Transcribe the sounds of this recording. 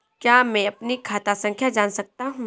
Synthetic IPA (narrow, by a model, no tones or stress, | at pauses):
kjaːmɛ̃ɐpnikʰaːt̪asɐ̃ŋkʰjad͡ʒaːnsɐk̚t̪aɦũ